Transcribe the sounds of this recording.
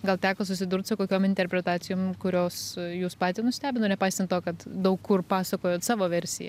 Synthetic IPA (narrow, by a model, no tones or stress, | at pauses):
ɡɐlˠt̪ʲæːkoːsʊsʲɪd̪ʊrt̪sʊkoːkʲoːmɪnʲt̪ʲɛrʲpʲɾʲɛt̪ɑːt͡s̪ʲɪjoːmkʊɾʲoːsjuːspɑːt̪ʲɪːnʊsʲt̪ʲæːbʲɪnoːnʲɛpɐɪsʲt̪ɐnt̪oːkɐt̪d̪ɐʊkkʊrpɑːsɐkoːjoːt̪sɑːʋoːʋʲɛɾʲsʲɪjɛ̰